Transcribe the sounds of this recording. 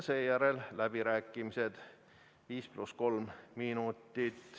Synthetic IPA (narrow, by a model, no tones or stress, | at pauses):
se̞ːjæɾe̞llæb̥iɾæːkːˑimise̞d̪̥ | viːsplusko̞lmmiːnut̪ːˑit̪